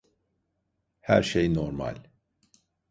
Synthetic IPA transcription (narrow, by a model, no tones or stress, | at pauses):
hæɾʃejnoɾma̰lʲ